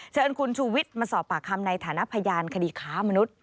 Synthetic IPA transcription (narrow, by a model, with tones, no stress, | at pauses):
t͡ɕʰɤː˧nkʰu˧nt͡ɕʰuː˧wi˦˥t̪̚maː˧sɔː˨˩p̚ːaː˨˩kʰːa˧mna˧jt̪ʰaː˩˦na˦˥ʔpʰa˧jaː˧nkʰa˧diː˧kʰaː˦˥ma˧nu˦˥t̪̚